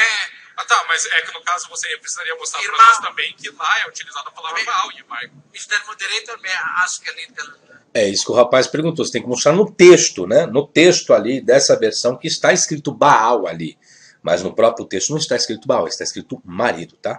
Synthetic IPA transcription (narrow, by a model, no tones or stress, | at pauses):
ɛat̪amɐzɛkɪnʊkazʊvoseewpɾɪsizaɾiɐmost̪ɾapɾɐʒẽt͡ʃɪt̪ɐ̃mbẽj̃kɪlaɛut͡ʃilizad̪ʊɐpalavɾɐbaawẽpaj | ist̪ɛɾmõd̪eɾejt̪ɐɾmẽaʃʊ̥kɪɛlĩd̪kɛl | ɛisʊ̥kɪʊhapajspeɾɡũt̪ose̥t̪ẽj̃kɪmost̪ɾaɾnʊt̪est̪ʊnɛnʊt̪est̪ʊalid̪ɛsɐveɾsɐ̃w̃kɪːst̪aɪskɾit̪ʊbaawa̰li | mɐ̰znʊpɾɔpɾjʊt̪est̪ʊnɐ̃ɪst̪aɪskɾit̪ʊbaa̰wɪst̪aiskɾit̪ʊmaɾḭd̪ʊt̪a